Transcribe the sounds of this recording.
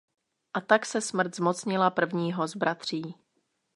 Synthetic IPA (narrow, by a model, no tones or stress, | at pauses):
ʔat̪aksɛsmr̩t̪zmo̞t͡sɲɪlapr̩vɲiːɦo̞zbɾat̪r̝̥iː